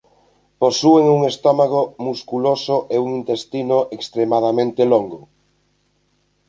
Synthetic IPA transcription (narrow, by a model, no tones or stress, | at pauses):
posueŋuŋest̪ɔmaɣ̞omuskulosʊʔeuŋint̪est̪inoʔekst̪ɾemaðamẽnt̪eloŋɡo